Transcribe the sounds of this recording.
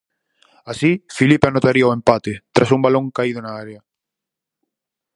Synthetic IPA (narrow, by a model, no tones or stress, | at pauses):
asifilipeanot̪aɾiaoempat̪et̪ɾʔasumbalõŋkaið̞ʊnaaɾea